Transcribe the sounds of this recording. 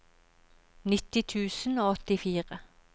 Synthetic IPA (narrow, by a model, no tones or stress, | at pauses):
nɪt̪ːɪt̪ʰʉːsənoːɔt̪ɪfiːʁə